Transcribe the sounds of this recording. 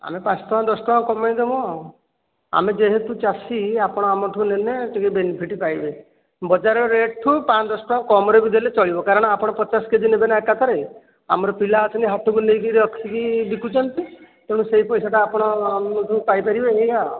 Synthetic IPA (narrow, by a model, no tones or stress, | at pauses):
a̰mepãt͡ʃɔ̥ʈʰɔãd̪ɔsɔʈɔaŋkɔmaĩd̪emɔ | a̰med͡ʒeɦet̪ut͡ʃasiapɔɽ̃ɔamɔʈʰuneneʈikebenipʰiʈipajbe | bɔd͡ʒaɾɔɾeʈʈʰupãt͡ʃɔd̪ɔsɔ̥ʈɔãŋkɔmɔɾebid̪ʱlet͡ʃɔɭibɔkaɾɔɽ̃ɔapɔɽ̃ɔpɔt͡ʃasked͡ʒinebenaekat̪ʰɔɾe | a̰mɔɾɔpilat̪ʰɔniɦat̪ʰukunejkiɾɔksikid̪ikut͡ʃʰɔnt̪i | keɽ̃ũseɦipɔjsaʈaːpɔɽ̃ɔamʈ̪upajpaɾibeeɡa